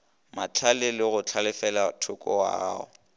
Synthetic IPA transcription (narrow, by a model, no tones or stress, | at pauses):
mat͡ɬʰalɪlɪɣʊt͡ɬʰalɪfɛlatʰʊkʼɔwa̰ɣa̰ːɔ